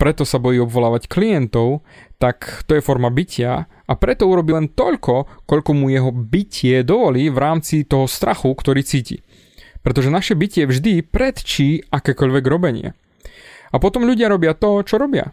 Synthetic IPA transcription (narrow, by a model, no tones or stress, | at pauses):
pɾɛt̪ɔsabɔjiːɔbʋɔlaːʋacklijɛnt̪ɔʊt̪akt̪ɔjɛfɔɾmabicɪa | apɾɛt̪ɔuɾɔbilɛnt̪ɔʎkɔkɔʎkɔmujɛɦɔbicʰɪɛd̪ɔʋɔliːʋɾaːmt͡sit̪ɔɦɔst̪ɾʔaxukt̪ɔɾiːt͡siːcḭ | pɾɛt̪̬ɔʒɛnaʃɛbicɪɛvʒd̪ipɾɛt̪t͡ʃiːʔakɛːkɔʎʋɛɡɾɔbɛɲɪɛ̰ | apɔt̪ɔmʎuɟɪaɾɔbɪat̪ɔt͡ʃɔɾɔbɪa̰